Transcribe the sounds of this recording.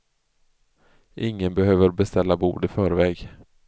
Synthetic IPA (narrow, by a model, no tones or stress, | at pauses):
ʔɪŋːənbɛɦøːvəɾbɛst̪ɛlːabṵːd̪ɪfœːɾvɛːɡ